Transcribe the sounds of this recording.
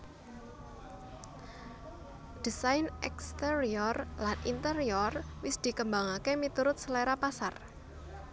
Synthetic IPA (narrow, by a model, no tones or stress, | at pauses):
d̪̥isajnɛ̰kst̪eɾiɔrlanint̪əɾiɔrwɪsd̪̥i̤kəmbaŋakemit̪uɾʊt̪̚səleɾapasar